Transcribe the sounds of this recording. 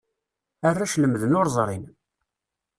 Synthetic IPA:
ərːaʃləmðənʊɾzˤɾˤin

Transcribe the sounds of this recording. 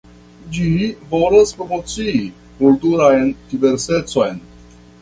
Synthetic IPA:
d͡ʒivo̞laspɾomot͡siː | kultuɾajndive̞ɾse̞t͡so̞jn

